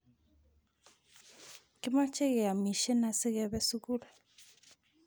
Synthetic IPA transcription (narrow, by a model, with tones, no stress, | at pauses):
ki˦ma˦t͡ʃe˦ɣe˨a˨mi˨ʃe˦na˨si˦ɣɛ˦βɛ˦su˦ɣu˦la˨